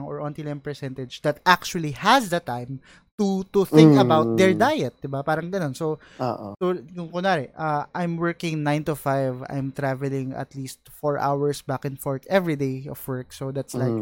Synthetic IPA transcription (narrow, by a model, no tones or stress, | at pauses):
ŋɔɹʔɔ̃nt̪ilɛmpɛɹsɛnt̪ɛd͡ʒd̪ɐt̪̚ʔak̚t͡ʃʊɐlihɐsd̪ɐt̪ãjm | t̪ut̪ʊθɪ̃ŋkkɐbawt̪̚d̪ɛɹd̪ajɛt̪̚d̪ɪbapaːɾɐŋɡɐnonso | o̰ʔsokʊŋkʊnaːɾɛʔɐʔajmwɛɹkɪ̃ŋnãjnt̪ʊfajva̰jmt̪ɾavɛlɪ̃ŋɐ̰t̪liːst̪̚fɔɹʔa̰wəɹsbakɪnfɔɹkɛvɹid̪ejɔfwɛɹksod̪at̪slajk̚